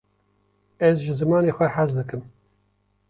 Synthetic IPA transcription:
ɛzʒɨzɨmɑːneːxʷɛħazd̪ɨkɨm

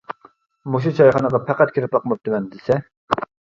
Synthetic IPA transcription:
moʃ̬ut͡ʃʰɑjχɑnəʁɑpʰæqæt̪̚kʲʰɪɾɪpɑqəmɑp̚d̪ɪmɛnd̪ɪsɛ

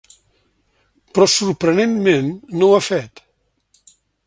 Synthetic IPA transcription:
pɾɔsuɾpɾənenmẽnːowafɛt̪

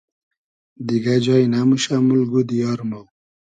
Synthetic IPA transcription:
d̪iɡad͡ʑɑjnamuɕamulɡud̪ijɔɾmo

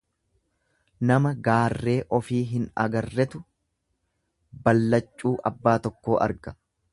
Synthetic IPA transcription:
nɐmɐɡaːrːe̞ːʔɔfiːɦɪnɐ̰ɡɐrːɛt̪ʊ | bɐlːɐt͡ʃʼːuːʔɐbːaːt̪ɔkːo̞ːʔɐ̰ɾɡɐ̥

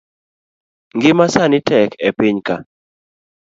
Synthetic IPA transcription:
ŋɡɪmasanɪtɛkɛpɪɲka̰

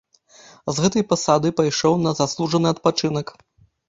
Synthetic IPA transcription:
zɣɛt̪ɐjpasad̪ɨpajʂɔwnɐzaslˠuʐɐnɨɐt̪̚pat͡ʂɨnɐk

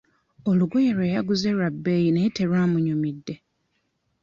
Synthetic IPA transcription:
oluɡojeɾweːjaɡuzeɾabːe̞jineite̞ɾwaːmuɲumidːe̞

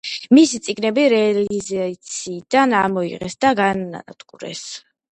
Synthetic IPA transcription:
misit̪sʼiɡnɛbiɾɛlizat̪sʰiːd̪̥anamɔḭʁɛsd̪aɡaaa̰d̪ʼɡʼuɾɛ̰s

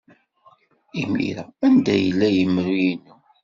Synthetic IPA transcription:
imḭɾæænd̪æjəlːæjəmːɾujinːu

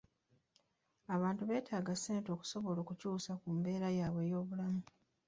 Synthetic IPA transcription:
aβaːntuβe̞ːtʰaːɡaseːnto̞ːku̥so̞βo̞lo̞ːkucuːsakumbe̞ːɾajaːβwe̞ːjo̞ːβulamu

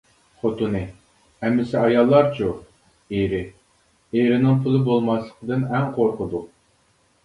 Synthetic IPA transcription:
χot̪unɨ | hɛmːɪsɪɑjɑlˠːɑɾt͡ʃʰu | eɾɪ | eɾɪnɪŋpʰʊlˠɨbolˠmɑslˠəqʰəd̪ɨnɛŋqʰoɾqəd̪u

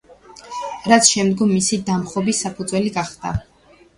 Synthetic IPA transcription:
ɾat̪sʰʃɛmd̪ɡɔmːisid̪amχɔbisːapʰud̪zwɛliɡaχd̪a̰

